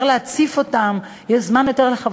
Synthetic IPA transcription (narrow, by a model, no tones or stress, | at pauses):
ʁleat͡sifo̞tam | jeʃzmanjo̞t̪eʁleχav